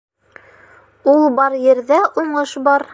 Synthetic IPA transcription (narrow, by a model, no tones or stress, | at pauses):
ulˠbɑɾjɘ̆ɾðæʔuɴɤʃbɑɾ